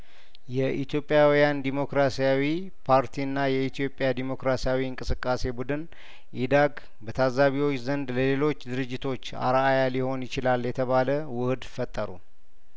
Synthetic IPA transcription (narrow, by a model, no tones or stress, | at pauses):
jɛʔit̪ʰjo̞pʼːjawijand̪imo̞kɾasijawi | pʰaɾt̪ʰiɨnːajɛit̪ʰijo̞pʼːjad̪imo̞kɾasijawiɨŋkʼɨsɨkʼːase̞bud̪ɨn | ʔid̪aɡ | bət̪ʰazaβiwo̞t͡ʃːzənd̪ləle̞lo̞t͡ʃːd̪ɨɾɨd͡ʒːɪt̪ʰo̞t͡ʃːa̰ɾaajaliho̞njɪt͡ʃɪlaljɛt̪ʰəβaləwʊhɨd̪fət̪ʼːəɾṵ